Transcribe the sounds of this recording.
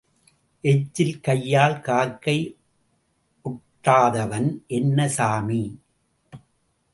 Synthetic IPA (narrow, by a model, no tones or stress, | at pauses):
ʔɛt͡ʃːɪlkɐjːaːlkaːɾkɐɪ | ʔʊʈːaːðɐʋɐnʔɛnːɐsaːmi